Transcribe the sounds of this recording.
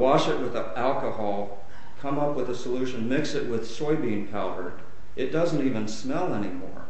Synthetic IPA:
wɑʃɨt̚wəð | ælˠkəhɑlˠ | kʰʌ̃mʌpwəðəsəlʉʃɨ̃nmɪksɨt̚wɪð̥sɔɪbĩnpʰaʊɾə˞ | ʔɨt̚d̥ʌz̃n̩tivɨ̃nsmɛlˠɛnimɔ̰ɹ

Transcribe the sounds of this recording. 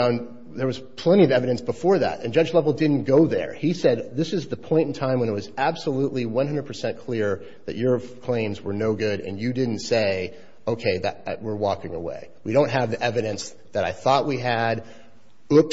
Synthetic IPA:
ə̃n | ðə˞wʌz̥pʰl̥ɛ̃ɾ̃iʌvɛvɨɾɨ̃nsb̥əfɔɹðæ̰tɨ̰̃nd͡ʒʌd͡ʒlɛvl̩ˠdɪdⁿn̩ɡ̥oʊðə̰˞isɛd̪̚ðɪsɨzðɨpʰɔ̃ɪ̃nn̩tʰãɪ̃mwə̃ñɨt̚wʌzæb̥səluʔˡliwʌ̃nɦʌ̃ndədpʰə˞sɛ̃nkʰl̥ɪɹ | ðɨ̰t͡ʃə˞kʰl̥ẽɪ̃mzwə˞noʊɡʊɾɨ̰̃njɨdɪdⁿn̩tseɪ | oʊkʰeɪðɨ̰t̚ɨ̰ʔwɪɹwɔkɪ̃ŋəwḛɪ | wiɾõʊ̃nt̚ɦɨvðiʔɛvɨɾɨ̃ns | ðɨɾaɪθɔʔ̚wiɨɾ | ʊp̚

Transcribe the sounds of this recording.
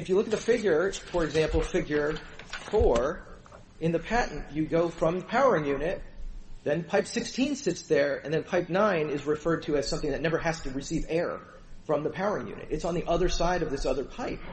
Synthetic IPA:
ɨfjɨlʊkɨt̪̚ðɨfɪɡjə˞fə˞ɨɡzæ̃mpl̩ˠfɪɡjə˞fɔɹ | ɨ̃nðɨpʰæʔn̩ɨɡoʊfɹʌ̃mðəpʰaʊə˞ɪ̃ŋjʉnɪt̪̚ðɨ̃npʰaɪpsɪkstʰĩnsɪtsðə˞ɨ̰̃nðɨ̃npʰaɪp̚nãɪ̃nɪzɹɨfɜ˞d̚tʰɨɨz̥sʌ̃mθɪ̃ŋðɨtⁿnɛvə˞hæstɨɹɨsivɛɹ | fɹʌ̃mðɨpʰaʊə˞ɪ̃ŋjʉ̰̃nɨ̰ɾɨtsn̩ðiʔʌðə˞saɪɾʌvðɪsʌðə˞pʰaɪp̚

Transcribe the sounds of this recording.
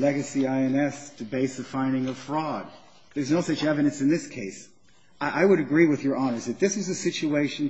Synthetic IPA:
lɛɡɨsiaɪɛ̃nɛstʰɨbeɪsðɨfãɪ̃ndɪ̃ŋʌv̥fɹɔd̪̚ | ðə˞znoʊsʌt͡ʃɛvɨɾɨ̃nsɨ̃nðɪskʰeɪs | ʔaɪwɨɾɨɡɹiwɨðjə˞ɑnə˞zðɨt̪̚ðɪswʌzɨsɪt͡ʃueɪʃɨ̃n̩

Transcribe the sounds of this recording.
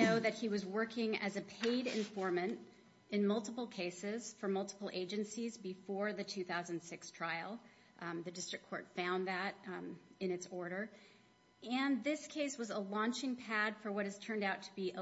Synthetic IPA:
oʊðɨt̚hiwʌzwɜ˞kɪ̃ŋɨ̰zɨpʰeɪɾɪ̰̃ɱfɔɹmɨ̃nt | ɨ̃nmʌlˠtəpl̩ˠkʰeɪsɪz̥fə˞mʌlˠtʰə̥pl̩ˠeɪd͡ʒɨ̃nsizbɨfɔɹðɨtʰʉθaʊzɨ̃n̩̥sɪkstʰɹ̥aɪl̩ˠ | ðɨdɪstɹ̥ɨkʰːɔ̰ɹtfãʊ̃nðɨɾɨ̃ñɨtsɔɹɾə˞ | ɨ̃nðɪskʰeɪswʌzəlɔ̃nt͡ʃɪ̃ŋpʰæd̥fə˞wʌɾɨz̥tʰɜ̃˞ndaʊtʰəbiʔ

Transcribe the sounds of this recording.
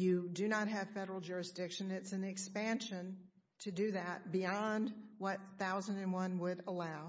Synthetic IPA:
jɨdɨnət̚ɦɨv̥fɛɾə˞l̩ˠd͡ʒʊɹɨsd̥ɪkʃɨ̃nɪtsɨ̃nɨkspæ̃nʃɨ̃n | tʰɨdɨðɨt̚b̥iɑ̃ndwʌt̪̚θaʊzɨ̃n̩dɨ̃nwʌ̃nwəɾəlaʊ

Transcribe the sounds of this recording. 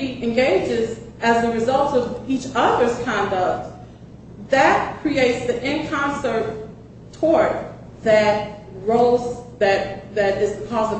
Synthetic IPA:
iɨ̃nɡeɪd͡ʒɪzɨzðɨɹɨzʌlˠtʌvit͡ʃʌðə˞z̥kʰɑ̃ndʌk̚t̚ | ðɨt̚kʰɹ̥ieɪtsðiʔɪ̃nkʰɑ̃nsə˞t | tʰɔɹt̚ | ðɨt̚ | ɹoʊlˠzðɨt̪̚ðɨɾɨzðɨkʰɔzʌ

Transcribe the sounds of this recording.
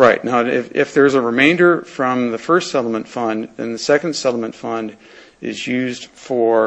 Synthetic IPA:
ɹaɪt̚ⁿnaʊɪfɪ̰fðə˞zəɹɨmẽɪ̃ndə˞fɹʌ̃mðɨfɜ˞stsɛɾl̩ˠmə̃ntfʌ̃nðɨ̰̃nðɨsɛkɨ̃ndsɛɾl̩ˠmə̃ntfʌ̃nd | ɪ̰zjʉzd̥fə˞

